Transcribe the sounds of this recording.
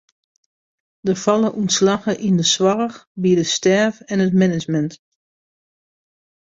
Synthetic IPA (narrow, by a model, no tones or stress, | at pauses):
dəfɑlˠəʔunslaɣəʔindəswarəxbiədəstɛrvɛnətmɛnɪd͡ʒmɛnt